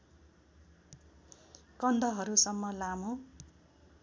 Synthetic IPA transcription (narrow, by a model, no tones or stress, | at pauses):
kʌnd̪ʱʌɦʌɾusʌmːʌlamo